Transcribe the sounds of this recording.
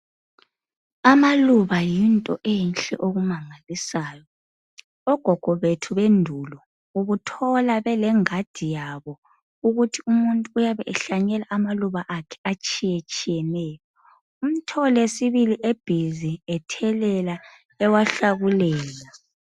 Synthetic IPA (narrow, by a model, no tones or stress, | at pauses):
amaluβajintʼɔ̰ʔejinɬʼɛʔoɣumaŋalisaːjɔ | ɔɡ̥ʱɔɡ̥ʱɔβetʰuβendʱulɔ | uɣutʰɔlaβɛlɛŋad̥ʱijaβɔ | uɣutʰiumuntʼuːjaβɛɛɬaɲɛlaʔamaluβaʔakʰɛ̥at͡ʃʼijɛt͡ʃʼijɛnɛːjɔ | um̩tʰɔlesiβiliʔeb̥ʱiziɛtʰɛlɛla | ɛwaɬaɣulɛːla